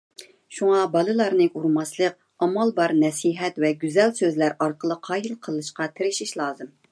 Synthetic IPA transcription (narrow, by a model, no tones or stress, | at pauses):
ʃuŋɑbɑlˠɨlˠɑɾnɨʔuɾmɑslˠəq̚ | ɑmɑlˠbɑɾnɛsiɦɛt̪vɛɡʲyzɛlsøzlæɾɑɾqəlˠəqʰɑːjilˠqʰəlˠɨʃqɑt̪ʰɪɾɪʃiʃlˠɑːzɨm